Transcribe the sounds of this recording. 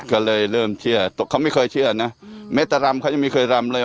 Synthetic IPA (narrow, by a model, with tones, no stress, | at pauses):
kɔː˥˩lɤː˧jɾɤː˥˩mt͡ɕʰɯ˥˩ɐt̪o˨˩kʰa˧˥˩wma˥˩jkʰɤː˧jt͡ɕʰɯ˥˩ɐna˦˥mɛː˦˥t̪ːa˨˧˩ɾa˧mkʰa˦˥˩a˧˨mi˧˥˩kʰɤː˧jɾa˧mlɤː˧j